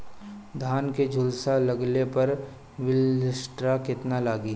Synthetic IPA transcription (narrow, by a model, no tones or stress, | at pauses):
d̪ʱaːnked͡ʒʱʊlsalɐɡlepɐɾ | ʋɪlɪsʈɾakɪt̪nalaːɡiː